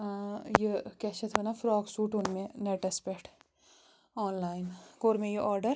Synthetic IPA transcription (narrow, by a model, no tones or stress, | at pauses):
jekɛːʃɐt̪ʰʋɐnafɾɔːɡsuːʈʊnmẽneʈɐspeʈʰ | ɔːnlaːɪnɡoːɾmẽjeʔɔːɾɖəɾ